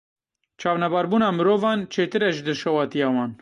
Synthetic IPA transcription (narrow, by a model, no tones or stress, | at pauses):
t͡ʃʰɑːvnɛbɑːɾbuːnɑːmɨɾoːvɑːnt͡ʃʰeːt̪ɨɾɛʒɨd̪ɨʃɛwɑːt̪ijɑːwɑːn